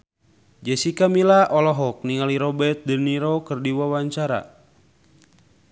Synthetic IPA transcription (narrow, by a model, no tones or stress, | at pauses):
d͡ʒɛsikamilaʔɔlɔɦɔk̚niŋaliɾɔbɛt̪̚dəniɾɔkərdiwawaɲt͡ʃaɾa̰